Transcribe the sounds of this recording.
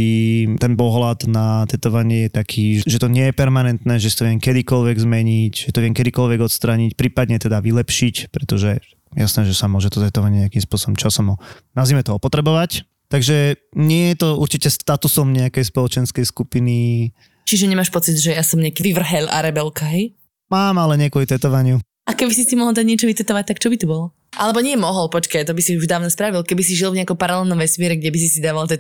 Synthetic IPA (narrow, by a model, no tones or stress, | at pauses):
it̪ɛnpɔɦlad̪nat̪ɛt̪ɔʋaɲɪɛjɛt̪akʰiːʒɛʒɛt̪ɔɲɪɛjɛpɛɾmanɛnt̪nɛːʒɛsat̪ɔʋɪɛŋkɛd̪ikɔlʋɛɡzmɛɲicʒɛt̪ɔʋɪɛŋkɛd̪ikɔlʋɛɡɔt̪st̪ɾaɲicpɾiːpad̪ɲɛt̪ɛd̪aʋilɛpʃicpɾɛt̪ɔʒɛ | jasnɛːʒɛsamʊɔʒɛt̪ɔt̪ɛt̪ɔʋaɟɲɛakimspʊɔsɔbɔmt͡ʃasɔmɔnazimɛt̪ɔɔpɔt̪ɾɛbɔʋac | t̪aɡʒɛɲɪɛjɛt̪ɔuɾt͡ʃicɛst̪at̪usɔmɲɛakɛjspɔlɔt͡ʃɛnskɛjskupini | t͡ʃiʒɛɲɛmaʃpɔt͡sid̪ʒɛjasɔmɲɪakiʋiʋr̩ɦɛlʔa̰ɾɛbɛlkaɦɛj | maːmalɛɲɪɛkuʋit̪ɛt̪ɔʋaɲɪu | ʔakɛbisist̪imɔɦlˠd̪aɟɲɪɛt͡ʃɔʋit̪ɛt̪ɔʋac̚t̪akt͡ʃɔbit̪ubɔlɔ | ʔalɛbɔɲɪɛmɔɦɔlpɔt͡ʃkajt̪̬ɔbisiuʒd̪aːʊnɔspɾaʋilkɛbisiʒilvɲɪakɔmpaɾalɛlˠnɔmʋɛsmɪɛɾɛɡɟɛbis̬isid̪aːʋalˠt̪ɛt̪